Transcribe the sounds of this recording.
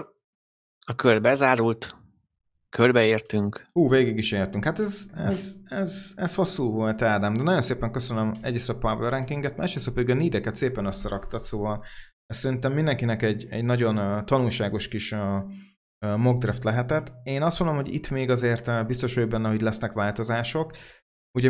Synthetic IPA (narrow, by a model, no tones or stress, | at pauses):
ɒkørbɛzaːɾult̪ | kʰørbɛeːrt̪yŋkhuːveːɡiɡiʃeːrt̪yŋkhat̪ɛzɛzɛzɛsho̞sːuːvo̞lt̪ɛld̪ɛmd̪ɛnɒɟo̞nseːpɛŋkøsønømɛ̰ɟːisɒpavøɾɛŋkiŋɡɛt̪maːʃɾesɒpøiɡɛniːd̪ɛkɛt̪seːpɛnøsːɛɾɒkt̪ɒt̪soːvɒl | ɛssɛɾint̪ɛmːind̪ɛŋkinɛkɛɟːɛ̰ɟnɒɟo̞nt̪ɒnulʃaːɡo̞ʃkiʃø | moɡ̚d̪rɛft̪lɛɦɛt̪ɛt̪ːeːnɒst̪mo̞nd̪omɦoɟḭt̪ːmeːɡɒzeːrt̪bist̪o̞ʃojobɛnːɛɦoɟlɛsnɛkʋaːlt̪o̞zaːʃo̞k | uɟɛ